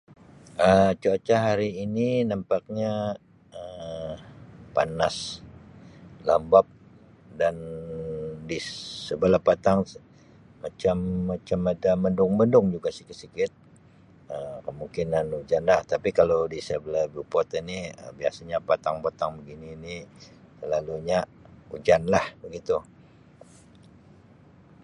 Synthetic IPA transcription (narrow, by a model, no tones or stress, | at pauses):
ʔət͡ʃuat͡ʃaɦaɾiːninampak̚ɲa | ə | pa̰nas | lambap̚ | dan | disəbəlahpat̪aŋ | mat͡ʃamːat͡ʃamadaməndʊŋməndʊŋd͡ʒuɡasi̥kɪt̪sikɪt̪̚ | əmkəmuŋkinanud͡ʒanlaht̪apikalodisəbəlabupɔt̪iniə̰bia̰saɲapat̪aŋpat̪aŋbəɡiniːni | əlaluɲaud͡ʒanlahbəɡit̪u